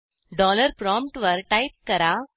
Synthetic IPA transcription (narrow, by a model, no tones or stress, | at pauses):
ɖɔləɾpɾɔmpʈʋəɾʈajp̚kɐɾa